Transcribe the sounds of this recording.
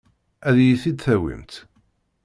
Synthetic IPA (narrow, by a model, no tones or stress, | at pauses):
æðjiθid̪θæwḭmt̪